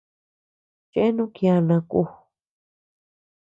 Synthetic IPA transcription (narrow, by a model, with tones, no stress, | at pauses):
t͡ʃe˦e˦nũ˦kj̃ã˧nã˧ku˧